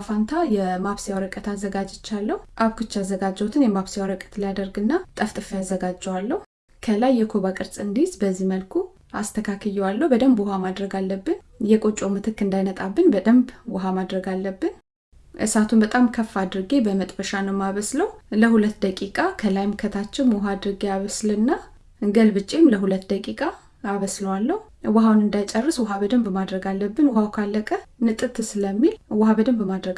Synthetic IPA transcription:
fant̪ʰajɛmaβsijawɾəkʼət̪ʰazːəɡad͡ʒɪt͡ʃːalːəhuʔaβkʰɨt͡ʃːazːəɡad͡ʒːɛwut̪ʰɨnjɛmaβsijawɾəkʼə̥t̪lijad̪əɾɡɨnːat̪ʼəft̪ʼɨfəjazːəɡad͡ʒːɛwalːəhu | kʰəlajːɛkʰoβakʼɨɾsʼɨnd̪izbəzːihməlkʰu | ast̪ʰəkʰakʰɨjːɛwalːəwbəd̪əmbwɔhamad̪ɾəɡalːəbːɨn | jɛkʼo̞t͡ʃʼo̞mɨt̪ʰɨkːɨnd̪ajnət̪ʼabːɨnbəd̪əmbwɔɦamad̪ɾəɡalːəbːɨn | ʔɨsat̪ʰunbət̪ʼamkʰəfːad̪ɾɨɡebəmət̪ʼbəʃanəwmaβəsləwləhulət̪ːd̪əkʼikʼakʰəlajmkʰət̪ʰat͡ʃːɛwmɔɦad̪ɾɨɡeaβəsləɨnːa | ɡəlbɨt͡ʃʼimləɦulət̪ːd̪əkʼikʼaː | βəsləwalːəhu | wɔɦawnɨnd̪ajt͡ʃʼərːɨswɔɦabəd̪əmbmad̪ɾəɡalːəbːɨnwhawkʰalːəkʼənɨt̪ʼɨt̪ɨsɨləmːilwɔhabəd̪əmbmad̪ɾəɡ

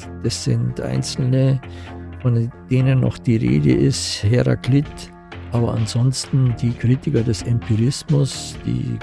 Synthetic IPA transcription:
d̥asz̥ɪ̰ntʔa̰ɪnt͡sl̩nə | fɔnd̥eːnənːɔ̰χd̥iːʁḛːdə̰ʔɪsthɛʁa̰kʰlɪt | ʔaːbɐʔanzɔnstn̩diːkʁ̥iːtɪkɐdɛsɛmpʰiʁɪsmʊsd̥ḭː

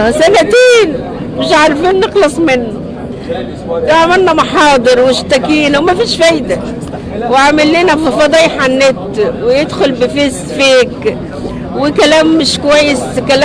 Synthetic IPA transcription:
sænæt̪eːn | mɪʃʕɑɾˤfiːnːexlɑsˤmɪnːʊ | æʕmælnæmɑħɑːd̪ˤɨɾwɪʃt̪ækiːnwmæfiːʃfæjd̪æ | wɪʕamɪlːiːnæfifɑd̪ˤɑːjħanːɪt̪wɪjed̪xʊlbɪfes | fiːk | wɪkælæːmːɪʃkowæjːeskæl

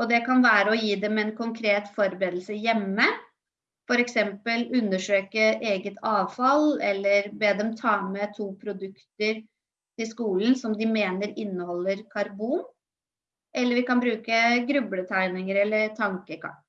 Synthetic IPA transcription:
ʔɔd̪ɛkɑnʋæːɾəɔjiːd̪ɛmɛnkʰʊŋkʰɾeːt̪fɔɾbɾeːd̪lsəjɛmːə | fɔɾɛksɛmpəlʉnːəʂøːkəeːɡət̪ʰɑːʋfɑlɛlːəɾbeːd̪ɛmt̪ʰɑːmɛt̪ʰuːpʰɾʊd̪ʉkt̪əɾ | t̪ʰɪskuːlənsɔmd̪ɪmeːnəɾɪnːəhɔlːəɾkʰɑɾbuːn | ʔɛlːəɾʋɪkɑnbɾʉːkəɡɾʉblət̪ʰæɪnɪŋəɾɛlːəɾt̪ʰɑŋkəkʰɑ̰ʈ

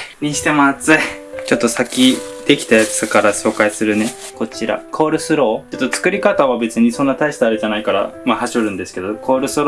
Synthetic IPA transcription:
ɲ̟ĩɕi̥t̪e̞moat͡sɨt͡ɕo̞t̪ːo̞sakʲid̪̥e̞kʲi̥t̪ajat͡sɨ̥kaɾaɕo̞ːkaisɨɾɯ̟ne̞ | ko̞t͡ɕiɾa̰kʰo̞ːɾɯ̟sɨɾo̞ːt͡ɕot̪ːo̞t͡sɨ̥kɯ̟ɾʲikat̪aβabe̞t͡sɨɲ̟isõ̞nːat̪aist̪aaɾɯʑanaikaɾa̰mahaɕoɾɯ̟̃nd̪e̞sɨ̥ke̞d̪o̞kʰo̞ːɾɯ̟sɨɾo

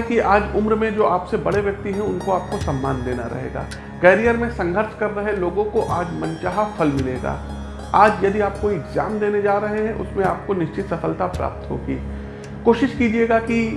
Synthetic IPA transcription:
kiʔaːd͡ʒʊmɾmẽd͡ʒoːʔaːpsebɐɽeʋjɐk̚t̪iɦɛ̃ʊnkoaːp̚kosɐmːaːnd̪eːna̰ɾɐ̰ɦḛːɡa̰ː | kɛːɾijəɾmẽsɐ̃ŋɡʱəɾt͡ʃkɐɾːɐɦɛloːɡõkoʔaːd͡ʒmɐ̃nt͡ʃaːɦafɐlmɪlḛːɡa̰ː | aːd͡ʒjɐd̪iaːp̚koɪɡza̰ːmd̪eːned͡ʒaːɾɐɦeɦɛ̃ʔʊ̰smẽaːp̚konɪʃt͡ʃɪt̪sɐfəlt̪apɾa̰ːp̚t̪ɦo̰ːɡiː | koːʃɪʃkiːd͡ʒieːɡaki

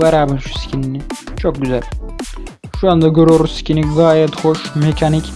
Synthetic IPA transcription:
vɛɾaːbɯnʃu̥si̥cʰininit͡ʃʰok̚ɟyzælʲ | ʃuand̪aɟø̞ɾyjoɾusi̥cʲʰiniɡaːjɛt̪xo̞ʃmecʰanic

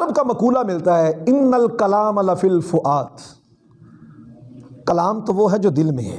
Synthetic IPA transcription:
ɾbkamɐkuːlamɪlt̪aɦɛːɪnːəlkɐlaːmlɐfilfʊʔaːt̪ | kɐlaːmt̪oʋoɦɛd͡ʒoːd̪ɪlmḛ̃ɦɛː

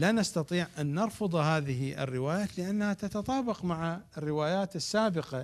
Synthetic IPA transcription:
laːnast̪ɑt̪ˤiːʕʔanːɑɾˤfɑd̪ˤhaːðɪhiʔɪ̰rːɪwaːjaːt̪lɪʔanːahat̪at̪at̪ˤɑːbɪqmaʕaɪrːɪwaːjaːt̪ɪsːaːbɪqa

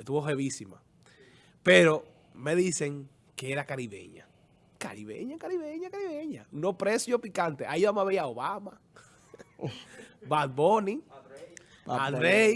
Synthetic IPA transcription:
est̪uβofeβisima̰ | pe̞ɾo̞ | me̞ðise̞ŋ | ke̞eɾakaɾiβe̞̰ɲa̰ | ka̰ɾiβe̞̰ɲakaɾiβe̞ɲakaɾiβeɲanopɾesjo̞pikant̪e̞ʔaiβamaβeiaoβama | bat̪boni | aɾej

